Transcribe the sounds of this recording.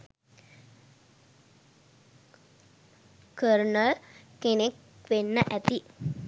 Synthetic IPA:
kəɾnəɭkenek | ʋenːəʔæt̪i

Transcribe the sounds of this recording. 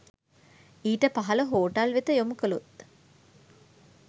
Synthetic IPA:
iːʈəpaɦɐləɦoːʈɐlʋet̪əjomukəlut̪

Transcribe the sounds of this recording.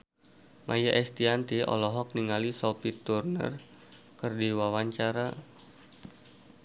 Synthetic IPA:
mʔa̰jaʔɛst̪iant̪iɔ̰lɔɦɔk̚niŋalisɔpit̪urnə̰r | kərdiwawaɲt͡ʃaɾa

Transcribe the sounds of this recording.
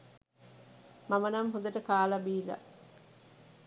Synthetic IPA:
mamənɐmɦod̪ɐʈəkaːlɐbiːla̰

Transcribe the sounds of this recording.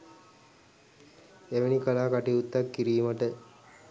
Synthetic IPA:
eʋenikəlaːkaʈiut̪ːakːiɾiːməʈə

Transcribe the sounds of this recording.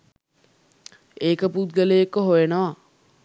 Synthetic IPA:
eːkəput̪ɡəlejekːəɦojenoʋa

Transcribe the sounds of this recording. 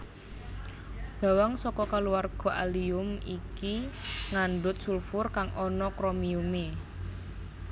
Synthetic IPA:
b̥a̤waŋsɔkɔkaluwarɡ̥ɔ̤ʔa̰liʊmikiŋaɳɖʊt̪̚sulfʊrkaŋʔɔnɔkɾɔmiume

